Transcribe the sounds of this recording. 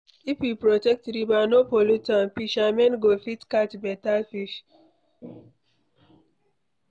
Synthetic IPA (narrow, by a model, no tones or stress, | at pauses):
ipipɾɔtɛk̚tɾibanopolutãnpiʃamɛ̃nɡofitkatbɛtafiʃ